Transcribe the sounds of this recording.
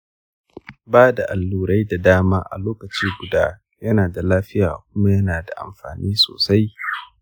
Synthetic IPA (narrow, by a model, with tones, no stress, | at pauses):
baː˦da˨ʔa˨lːuː˨ɾa˦jda˨daː˦maː˦ʔa̰˨loː˦kɐ˨t͡ʃiː˦ɡʷʊ˨daː˦ | jɐ˦naː˨da˨laː˦ɸɪ˦jaː˨kʷʊ˦ma˦jɐ˦naː˨da̰˨ʔa̰˨mɸa̰ː˨niː˦so̰ː˨sa˦j